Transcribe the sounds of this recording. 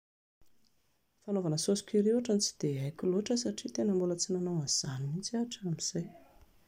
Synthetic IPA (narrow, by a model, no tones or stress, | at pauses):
fanovanəsosi̥kʲiɾewaʈ͡ʂant͡si̥d̪̥eajkʲiloʈ͡ʂəsaʈ͡ʂit̪enəmbulət͡sinanawaz̥aninit͡siaʈ͡ʂamiz̥aj